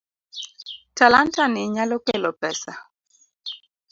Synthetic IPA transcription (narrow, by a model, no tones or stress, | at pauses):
talantanɪɲalɔkelɔpɛsa